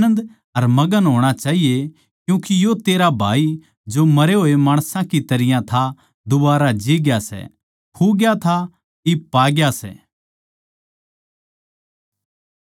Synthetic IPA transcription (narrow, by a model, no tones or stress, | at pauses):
ə̃nd̪ | ɐɾmɐɡənɦoːɽ̃at͡ʃaːɦije | kjũːkijot̪eːɾabʱaːi | d͡ʒomɐɾeɦoːemaːɽ̃sãkit̪ɐɾɪjãt̪ʰa | d̪ʊbaːɾad͡ʒiːɡjasɛ̰ | kʰuɡjat̪ʰa | ipaːɡjasɛ̰ː